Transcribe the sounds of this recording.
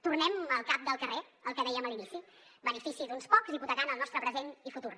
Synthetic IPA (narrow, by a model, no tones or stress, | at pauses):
t̪urnɛməlˠkap̚d̪əlˠkəreəlˠkəðɛjəməlinisi | bənəfisiðunspɔkziβut̪əɣanəlˠnɔst̪ɾəpɾəzenifut̪ur